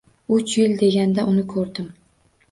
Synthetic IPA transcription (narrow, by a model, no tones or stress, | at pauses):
ʊt͡ʃjɪld̪e̞ɡʲand̪aʔʊnɪkʰɵɾd̪ɪm